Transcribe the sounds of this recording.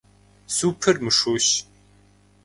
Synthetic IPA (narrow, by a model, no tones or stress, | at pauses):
suːpʰɨrmɨʂuːɕ